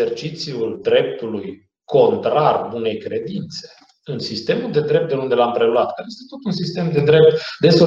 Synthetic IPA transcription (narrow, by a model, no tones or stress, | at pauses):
ert͡ʃit̪siuld̪ɾe̞p̚t̪uluj | kʰo̞nt̪ɾarbune̞jkɾe̞d̪int̪se̞̥ | ɨnsist̪e̞muld̪e̞d̪ɾe̞p̚t̪d̪eund̪e̞lampɾe̞luat̪kaejest̪et̪o̞t̪unsist̪e̞md̪e̞d̪ɾe̞p̚t̪d̪e̞so